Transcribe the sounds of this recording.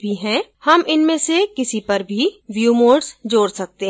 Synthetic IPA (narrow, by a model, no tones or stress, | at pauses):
bʱiɦɛ̃ːhɐmʔɪnmẽsekɪsipɐɾbʱiʋjuːmoːɖsd͡ʒoːɽsɐk̚t̪eɦ